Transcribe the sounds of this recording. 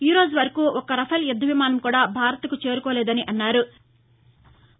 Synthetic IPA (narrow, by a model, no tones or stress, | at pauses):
iːɾo̞ːd͡ʒuʋɐɾɐkuːʔɔkɐɾɐpʰɐljɐd̪ːɐʋimaːnɐmkuːɽaːbʱaːɾɐt̪ɐkut͡ʃe̞ːɾukɔːlɛːd̪ɐniʔɐnːaːɾu